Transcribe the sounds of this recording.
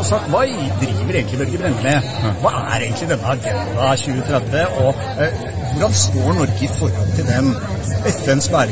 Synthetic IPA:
sɑkt̪ʋɑːd̪ɾiːʋəɾeːɡn̩ɪbɛlɡəbɾɛnːəme | ʋɑ̰ːʔæ̰ɾeːɡnt̪lɪd̪ɛnːəɑɡɑd̪ɑçʉːət̪ʰɾɛd̪ʋəʔɔ | ʋʊɖɑnst̪oːɳɔɾɡəɪfɔɾhɔlt̪ʰɪld̪ɛm | ɛfənsbæːɾ

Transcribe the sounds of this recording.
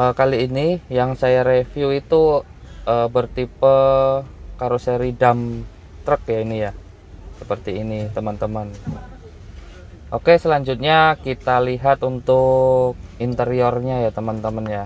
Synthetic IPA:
ʔəkaliːnijaŋsajaɾefjuit̪u | ʔəːbərt̪ipə | kaɾosɾidam | t̪ɾək̚jainija | səpərt̪iːnit̪əmənt̪əmən | ʔokesəlaɲd͡ʒʊt̪̚ɲakit̪aliɦat̪unt̪ʊk̚int̪əɾiorɲajat̪əmənt̪əmənja

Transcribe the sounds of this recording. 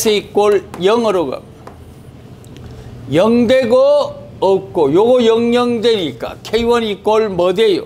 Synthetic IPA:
sʰʌik͈oljʌŋʌɾoɡʌ̰ | jʌŋdeɡoː | k̚k͈ojoɡojʌŋjʌŋdweɲik͈a̰kʰeiwʌnik͈oɭmʌdejo̰

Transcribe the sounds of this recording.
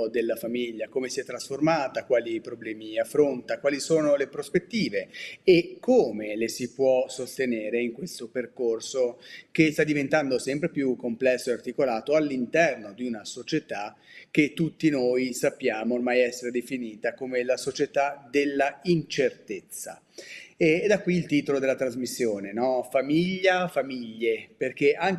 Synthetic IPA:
d̪elːafamiʎːakoːmesiɛt̪ːɾasformaːt̪akwaːlipɾoblɛːmiafːɾont̪akwaːlisoːnolepɾospet̪ːiːveekʰːoːmelesipwɔsost̪eneːɾeiŋkwest̪operkorsokest̪ad̪ːivent̪and̪osɛmpɾepjukːomplɛsːoeart̪ikolaːt̪oalːint̪ɛrnod̪iunasot͡ʃet̪a | k̟ːet̪ːut̪ːinojsapːjaːmoːrmajɛsːeɾed̪efiniːt̪akomelasot͡ʃet̪ad̪elːaint͡ʃert̪et̪sːa̰ | eːd̪akːwiːlt̪iːt̪olod̪elat̪ɾazmisːjoːnenɔfamiʎːafamiʎːeperk̟eʔaŋ

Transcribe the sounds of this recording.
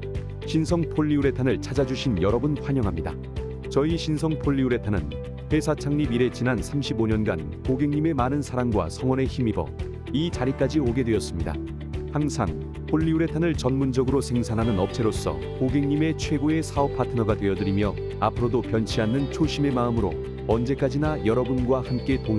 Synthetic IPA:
ɕʰinsʰʌŋpʰoʎːiuɾe̞tʰanɯɭt͡ɕʰad͡ʑad͡ʑuɕʰinjʌɾʌbɯnɸwaɲʌŋɦamɲida̰ | t͡ɕʌiɕʰinsʰʌŋpʰoʎːiuɾe̞tʰanɯn | he̞sʰat͡ɕʰaŋɲibiɾe̞t͡ɕinansʰamɕʰiboɲʌnɡan | koɡe̞ŋɲime̞manɯnsʰaɾaŋɡwa̰sʰʌŋwʌne̞çimibʌ̰ | it͡ɕaɾik͈ad͡ʑioɡe̞dwe̞jʌs͈ɯmɲida̰ | haŋsʰa̰ŋ | pʰoʎːiuɾe̞tʰanɯɭt͡ɕʌnmund͡ʑʌɡɯɾosʰe̞ŋsʰanɦanɯnʌp̚t͡ɕʰe̞ɾos͈ʌ̰ | koɡe̞ŋɲime̞t͡ɕʰwe̞ɡoe̞sʰaʌpʰatʰɯnʌɡadwe̞jʌdɯɾimjʌ | apʰɯɾodopjʌnt͡ɕʰiɦanːɯnt͡ɕʰoɕʰime̞maɯmɯɾo̰ | ʌnd͡ʑe̞k͈ad͡ʑinajʌɾʌbunɡwahamk͈e̞toŋ

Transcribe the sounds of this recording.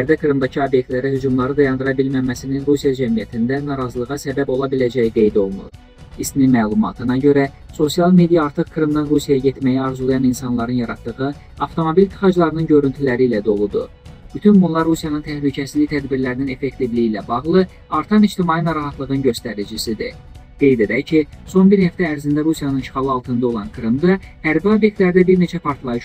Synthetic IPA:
æɾd̪ækʰɾɯmd̪ɑcʰiobjek̚t̪læɾæhyd͡ʒumlˠɑɾɯd̪ɑjɑnd̪ɯɾɑbilmæmæsininɾusijɑd͡ʒæmijæt̪ʰind̪ænɑɾɑzɯlˠɯʁɑsæbæbo̞lˠɑbilæd͡ʒæjiɡe̞jd̪o̞lˠnṵb | isninmæːlˠumɑ̰t̪ʰɯnɑɟø̞ɾæ | so̞sijɑlˠme̞d̪ijɑːɾt̪ʰɯχkʰɾɯmd̪ɑnɾusijɑjɑɟe̞t̪mæjiɑɾzulˠɑjɑninsɑnlˠɑɾɯnjɑɾɑt̪ːɯʁɯ | ɑft̪ʰo̞mobilit̪ʰːi̥χɑd͡ʒlˠɑɾɯnɯnɟø̞ɾynt̪ʰylæɾiːlæd̪o̞lˠud̪u | b̥yt̪ʰynbunlˠɑɾːusijɑnɯnt̪ʰæhlycʰæsizliit̪ʰæd̪biɾlæɾinine̞fe̞ct̪ivliiːlæbɑɣlˠɯ | ɑɾt̪ʰɑmid͡ʒt̪imɑːjinɑɾɑɦɑt̪lˠɯʁɯnɟø̞st̪æɾid͡ʒisid̪ḭ | ɡ̪̥e̞jd̪ed̪æcʰiso̞nbiɾhæft̪æːɾzind̪æɾusijɑnɯnʃχɑlˠɯɑlˠt̪ʰɯnd̪ɑo̞lˠɑnkʰɾimd̪ɑhæɾbio̞bjek̚t̪læɾd̪æbiɾne̞t͡ʃʰæpʰɑɾt̪lˠɑjɯʃ

